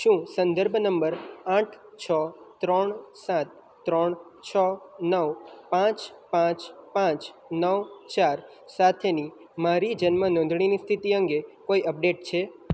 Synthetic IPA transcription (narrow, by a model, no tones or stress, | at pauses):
ʃũsənd̪əɾbʱnəmbəɾãʈʰt͡ʃʰɔt̪ɾɔɳsãt̪ː | ɾɔɳt͡ʃʰɔnəʋpãt͡ʃpãt͡ʃpãt͡ʃnəʋt͡ʃaɾ | sat̪ʰeni | maɾid͡ʒənmənɔ̃nd̪ʱɳ̃inist̪ʰit̪iəŋɡekoiəp̚ɖeʈt͡ʃʰe